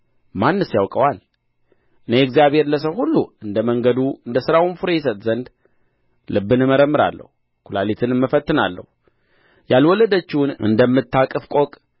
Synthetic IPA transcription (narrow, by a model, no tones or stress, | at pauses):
manːɨsjawkʼəwal | nəjɛɛɡzijaβhe̞ɾləs̬əwhulːuɨnd̪əməŋɡəd̪uɨnd̪əsɨɾawɨnfɨɾejs̬ət̪ʼzənd̪ | lɨbːɨnɨməɾəmːɨɾa̰lːə̰hu | kʰulalit̪ʰɨnməfət̪ːɨna̰lːə̰h | jalwɔləd̪ət͡ʃːɪwnɨ̰nd̪əmːɨt̪ʰːakʼɨfkʷʼokʼ